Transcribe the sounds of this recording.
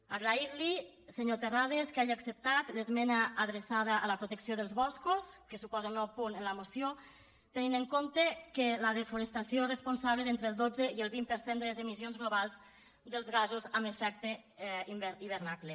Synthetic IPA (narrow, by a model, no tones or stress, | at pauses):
aɣɾaiɾli | seɲot̪erað̞eskaʒiaksəp̚t̪at̪lezmenaʔːðɾesað̞aʔːləpɾot̪eksioðəlˠzβɔskuskəsupɔzəunːɔwpunenləmosjo | t̪ənineŋkont̪ekeləðefuɾest̪asjorespunsaβleðent̪ɾelˠd̪od͡zeielˠβimpəɾsend̪əlezemizjonzɣloβalˠz | d̪əlˠzɣazuzaməfɛk̚t̪eimbeiβəɾnakle